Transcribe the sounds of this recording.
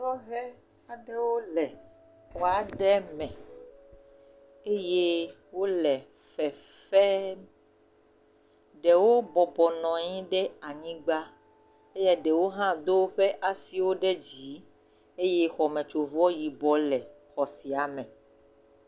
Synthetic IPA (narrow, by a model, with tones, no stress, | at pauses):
ɔ˦ɦɛ˦ | a˨ɖɛ˦wo˦lɛ˨ | wo˨a˨ɖɛ˦mɛ̃˨ | e˦je˦ | wo˦lɛ˨ | fɛ˨ | fɛ˦ | ɖɛ˨wo˦bɔ˨bɔ˨nɔ̃˨ɲĩ˦ɖɛ˦a˨ɲĩ˦ɡ͡ba˦ | e˦ja˦ɖɛ˨wo˦ɦã˦d̪o˦wɸɛ˦ʔa˨si˨wo˦ɖɛ˦d͡ʑi˨˦ | e˦je˦xɔ˨mɛ̃˨t͡ʃo˨vɔ˦ji˨bɔ˦lɛ˨ | xɔ˨si˨a˨mɛ̃˨